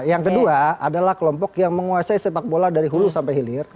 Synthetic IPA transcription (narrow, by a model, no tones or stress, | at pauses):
jaŋkəduaadalahkəlɔmpɔkjaŋməŋuasaisepak̚boladaɾiɦulusampajɦilɪr